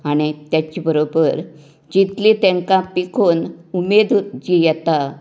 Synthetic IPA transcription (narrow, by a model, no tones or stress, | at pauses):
aɽ̃it̪jat͡ɕibəɾobəɾ | d͡ʑit̪lit̪ẽŋkãpikʰonumed̪d͡ʑijɛt̪a